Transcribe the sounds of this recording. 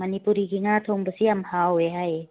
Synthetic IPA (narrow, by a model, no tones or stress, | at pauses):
mɐnipuɾiɡiŋat̪ʰoŋbəsiamhaweɦaj